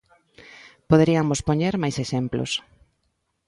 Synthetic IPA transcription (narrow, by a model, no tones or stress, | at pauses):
poðeɾiamospoɲeɾmajseʃemplo̰s